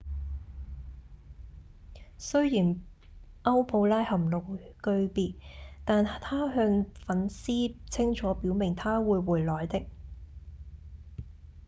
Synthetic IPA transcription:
sɵ˥ɥjiː˨˩n | ʔɐ˥wpʰo˧wlaː˥jhɐ˨˩mlo˨wkɵ˧ɥpiː˧tt̪aː˨nt̪ʰaː˥ɦœː˧ŋfɐ˨˥nsiː˥t͡sʰɪ˥ŋt͡ʃʰɔː˨˥piː˨˥wmɪ˨˩ŋt̪ʰaː˥wuː˨˧jwuː˨˩jlɔː˨˩jt̪ɪ˧k̚

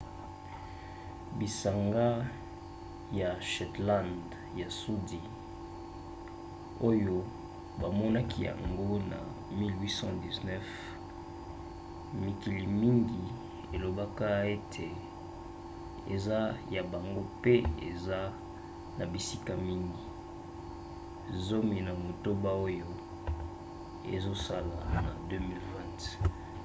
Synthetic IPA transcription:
bi˨sa˨ŋɡa˦ | ja˨ʃɛ˨tlã˦˨nd | ja˨su˦di˨ | o˦jo˦ | ba˨mɔ˦na˦kʰi˦ja̰˨ŋɡo˦na̰˨ | mi˦lwi˦sɑ̃˦di˨znɛ˦f | mi˨ki˨li˨mi˦ŋɡi˨ | e˨lo˨ba˦ka˦e˦tʰe˨ | ḛ˨za˦ja˨ba˨ŋɡo˦pe˦ḛ˨za˦ | na˨bi˨si˦ka˨mi˦ŋɡi˨ | zo˦mi˨na˨mo˨to˦ba˦o˦jo˦ | ḛ˨zo˦sa˦la˨na˨dø˦mi˨lvɛ̃˦nt

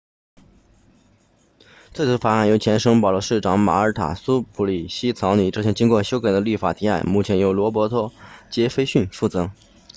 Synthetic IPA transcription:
t͡swe˥˧ɪt͡s̩ʰ˧˥fa˨˩a˥˩njo˧˥ʊt͡ɕʰjɛ˧˥nʂɤ˥ŋpɑ˨˩ʊlwɔ˧˥ʂɻ̩˥˩ʈ͡ʂɑ˨˩˥ŋma̰˨˩ə˞˧˥t̪ʰa̰˨˩su˥pʰu˧˥li˨˩ɕi˥t͡sʰɑ˧˥ʊny˨˩ʈ͡ʂɤ˥˧ɕjŋt͡ɕi˥ŋkwɔ˥˧˩ɕjo˥ʊka˨˩ɪd̪ə˦li˥˩fa˨˩t̪ʰi˧˥a˥˩ɪmu˥˩t͡ɕʰjɛ˧˥njo˧˥ʊlwɔ˧˥p̬wɔ˧˥t̪ʰɔ˥t͡ɕjɛ˧˥fe˥ɪɕy˥˧nfu˥˩t͡sɤ˧˥

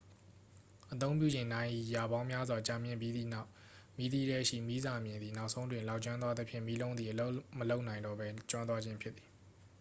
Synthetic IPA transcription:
ʔət̪̬õ˦ʊ̃mp̬jṵ˦˨d͡ʑɪ̃˨ndã˦ɪ̃ʔḭ˦˨ja˨bã˦ʊ̃mja˦zwa˨t͡ɕa˨mjɪ̃˦˨pji˦d̪ðḭ˦˨na˦ʊʔ | mi˦d̪i˦ɾɛ˦ʔʃḭ˦˨mi˦za˨mjɪ̃˨nd̪ði˨na˦ʊʔsʰõ˦ʊ̃ndwɪ̃˨la˦ʊʔt͡ɕwã˦nt̪wa˦d̪ə˦pʰjɪ̃˦˨mi˦lõ˦ʊ̃ndði˨ʔəlo˦məlo˦ʊʔnã˨ɪ̃ndɔ˦˨bɛ˦t͡ɕwã˦nt̪wa˦d͡ʑɪ̃˦mpʰjɪ˦t̪t̪ːi˨

